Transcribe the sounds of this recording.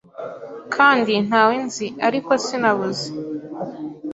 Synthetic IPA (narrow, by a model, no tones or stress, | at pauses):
kʰaːndin̥haːwenziʔaɾiko̞sinaβuze